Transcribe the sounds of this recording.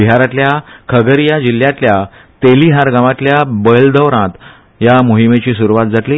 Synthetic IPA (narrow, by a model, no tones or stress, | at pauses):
iɦaɾat̪ljakʰəɡəɾjad͡ʑiljãt̪lja | t̪eliɦaɾɡãʋat̪ljabəld̪əʋɾãt̪ | jamuɦimet͡ɕiːsuɾuʋat̪̚d͡zat̪liː